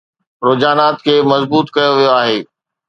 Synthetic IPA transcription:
ɾoːd͡ʑaːnaːt̪kʰeːmɐzbuːt̪kɐjoʋijoaːɦeː

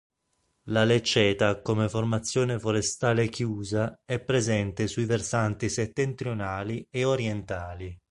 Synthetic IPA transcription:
lalet͡ʃːɛːt̪akomeformat̪sːjoːnefoɾest̪aːlekjuːzaɛpːɾezɛnt̪esuiversant̪iset̪ːent̪ɾjonaːlieoɾjɛnt̪aːli

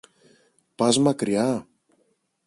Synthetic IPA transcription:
pɐzmɐkɾiɐ

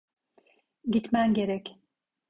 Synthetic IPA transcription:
ɟit̪mænɟe̞ɾɛc

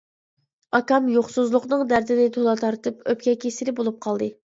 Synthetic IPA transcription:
ɑkɑmjoχsuzlˠʊqnɨŋd̪æɾd̪ɪnɪt̪ʰolˠɑt̪ʰɑɾt̪ɨpøp̚kʲɛkʲʰesɪlɪbolˠup̚qʰɑlˠd̪ɨ

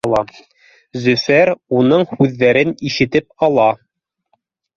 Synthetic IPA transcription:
lˠɑ | zɵ̆fæɾunɤɴhʉðːæɾɘniʃɘ̆t̪ɘp̚ɑlˠɑ

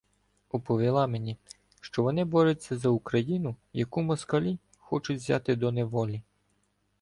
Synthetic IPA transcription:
ɔpɔʋʲilˠɑmenʲi | ʃt͡ʃɔʋɔnɪbɔɾet͡sʲːɐzɐukɾɐjinʊjɐkumɔskɐlʲi | xɔt͡ʃʊt͡sʲʋʲzʲɑ̰t̪ɪd̪ɔneʋɔlʲi

